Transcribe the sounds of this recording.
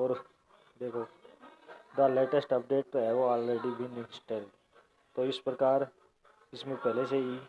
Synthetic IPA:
ɔːɾ | d̪eːkʰo | d̪əleːʈəsʈəp̚ɖeːʈ̚ɦɛʋɔːlɾeɖibĩnɪ̃nsʈelɖ | t̪oɪspɾəkaːɾ | ɪsmẽpɛɦleseɦi

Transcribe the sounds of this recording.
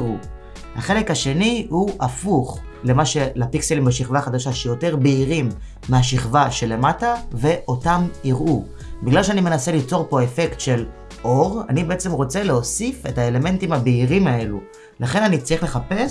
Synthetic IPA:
ʁu | ha̰χe̞lekhaʃe̞niuʔafuχ | le̞maʃelapikselimbeʃiχvaːχad̪aʃaʃejo̞te̞ʁbeiʁimː | eaʃiχvaʃe̞le̞matave̞ʔo̞tamiʁʔu | biɡlalʃeanime̞naselit͡so̞ʁpo̞e̞fe̞ktʃe̞l | ʔo̞ʁa̰nibeet͡semʁo̞t͡se̞leo̞sife̞thae̞le̞me̞ntimabeiʁimae̞lu | laχe̞nanit͡saʁiχle̞χape̞s

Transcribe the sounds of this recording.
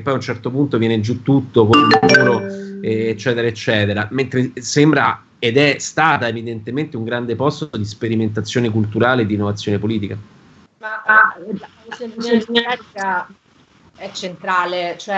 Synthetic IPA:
pːɔjunt͡ʃɛrt̪opunt̪ovjɛːned͡ʒut̪ːut̪ːokonulauːɾoɛːt͡ʃːɛːt̪eɾaet͡ʃːɛːt̪eɾament̪ɾesembɾa̰ | ed̪ɛst̪aːt̪aevid̪ent̪ement̪euŋɡɾand̪epɔst̪od̪ispeɾiment̪at̪sːjoːnekult̪uɾaːled̪ːinːovat̪sjoːnepoliːt̪ika | maa | seɛa | ɛt͡ʃːent̪ɾaːlet͡ʃoɛ

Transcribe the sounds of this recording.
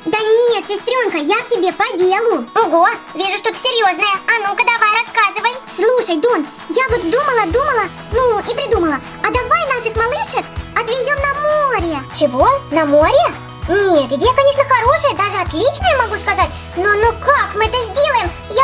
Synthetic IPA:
d̪ənʲet̪sʲɪst̪ɾʲo̞nkəjak̚tʲɪbʲe̞pɐdʲelˠʊoɡovʲiʐʊʂt̪o̞t̪ə̥sʲɪjo̞znəjəɐnokəd̪ɐvajɾɐskazɨvəjslˠuʂəjd̪on | javot̪d̪uməlˠəd̪uməlˠə | nuipɾʲɪd̪uməlˠə | ɐd̪ɐvajnaʂɨxmɐlˠɨʂɨkɐt̪vʲɪzʲo̞mnɐmoɾʲɪjət͡ɕɪvonɐmoɾʲɪə | nʲet̪ɡd̪ʲejakɐnʲe̞ʂnəxɐɾo̞ʂɨjəd̪aʐɨɐt̪lʲit͡ɕnəjəmɐɡuskɐzat̚ʲ | nonokakmɨɛt̪əzʲdʲe̞lˠəjɪm | ja

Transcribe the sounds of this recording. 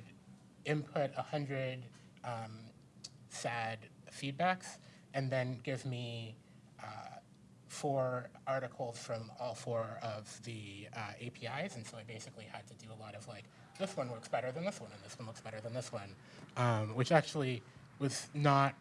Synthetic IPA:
ɾ | ɪ̃mpʰʊɾəhʌ̃ndɹɨd | ʔʌ̃m | sæd̥fid̚bæks | ʔɨ̃nðɨ̃nɡɪvmi | ʔʌ | fɔɹɑɹɾɨkʰl̩ˠz̥fɹʌ̃mɔlˠfɔɹʌvðiʌeɪpʰiaɪzɨ̃n̩soʊaɪbeɪsɨkliɨd̚tʰɨdɨəlɔɾʌv̥laɪk | ðɪswʌ̃nwɜ˞ksb̥ɛɾə˞ðɨ̃nðɪswʌ̃nɨ̃nðɪswʌ̃nləksb̥ɛɾə˞ðɨ̃nðɪswʌ̃n | ʔʌ̃mwɨt͡ʃæk̚t͡ʃul̩ˠi | wʌznət̚

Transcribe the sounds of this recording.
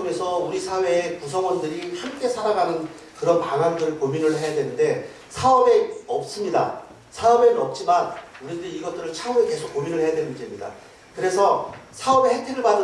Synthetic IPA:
mjʌnsʰʌuɾisʰawe̞ːkusʰʌɡwʌndɯɾihamk͈e̞sʰaɾaɡanɯn | kɯɾʌnpaŋɦandɯɾpominɯɭɦe̞jadwe̞nɯnde̞ | sʰaʌbe̞ʌp̚s͈ɯmɲida̰ | sʰaʌbe̞nʌp̚t͡ɕ͈imanuɾidɯɾiiɡʌt͈ɯɾɯɭt͡ɕʰamueke̞sʰokːominɯɭhe̞jadwe̞nɯnd͡ʑimɲida̰ | kɯɾe̞sʰʌsʰaʌbe̞hetʰiɾɯɭpadɯ

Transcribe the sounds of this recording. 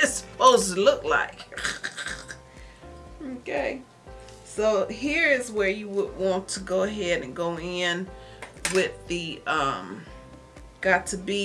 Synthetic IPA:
ɨsəpoʊztʰəlʊkla̰ɪk | okʰeɪ | soʊɦiɹɪzwə˞jɨwəd̚wɑ̃ntʰəɡoʊɨɦɛɾɨ̃nɡoʊɪ̃nwɪðɨʌ̃m | ɡ̥ɑtʰɨbi

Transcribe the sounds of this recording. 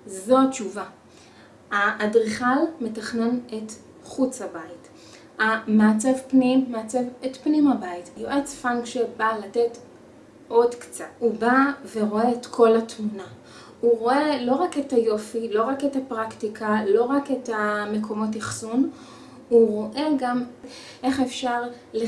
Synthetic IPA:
zo̞at͡ʃuva | aʔːdʁiχalme̞taχnenet | χut͡shabait | amaːt͡sevpnimːaːt͡sevetpnimabaitajoʔet͡sfaŋɡʃebalate̞t | o̞dkt͡satubave̞ʁo̞eːtkʰo̞latmuna | uʁo̞elo̞ʁaketajo̞filo̞ʁaketapʁaktikʰalo̞ʁaketame̞kʰo̞mo̞tjaχsun | uʁo̞ʔe̞ɡam | ʔe̞χefʃaʁ | le

